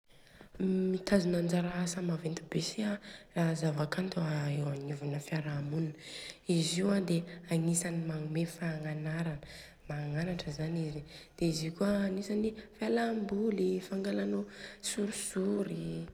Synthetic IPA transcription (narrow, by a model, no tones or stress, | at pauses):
mit̪ʰazunand͡zaɾaasamavent̪ibesiaraɦzavakant̪uaewanuvunəfiaɾamuniniziwad̪eaŋisanimaŋumefaːŋanaɾanə | maːŋanaʈ͡ʂəzanizid̪̥eizikuanisanifalambulifaŋɡalanosuɾusuɾi